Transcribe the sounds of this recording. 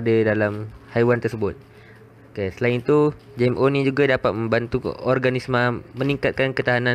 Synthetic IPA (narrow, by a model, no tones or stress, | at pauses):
adədalamhajwant̪ərsəbʊt̪̚ | okesəlaɪnit̪u | d͡ʒɛmʔonĩd͡ʒuɡadapat̪̚mə̃mbant̪uɔrɡanismə̃məniŋkat̪̚kankət̪aɦanã